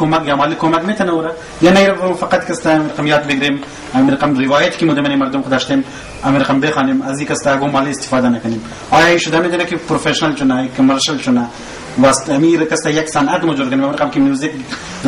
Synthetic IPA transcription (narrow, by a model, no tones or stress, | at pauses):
komakjamaːlikomakmet̪ʰɐnauɾa | janaiɾɐamfɐqat̪kɐst̪aɐmiɾɐqɐmjɑːt̪̚bɪɡɾeːm | ɐmiɾɐqɐmɾɪʋɑːjɐt̪i̥kimud̪ɐmɐnimɐɾd̪ʊmxʊd̪aːʃt̪eːm | ɐmiɾɐqɐmbexɑːnemɐzikɐst̪aːɡomaːliːst̪ɪ̥fɑːd̪anɐkɐnem | ɑːjɑiʃʊd̪amet̪ʰɐnakipɾofeʃɐnɐlt͡ʃʊnaikmɐɾʃɐlt͡ʃʊna | wast̪ɐmiɾkɐst̪ajɐksɐnɐt̪mʊd͡ʒuɾkɐnemɐmiɾɐqɐmkimjuzik̚ | d̪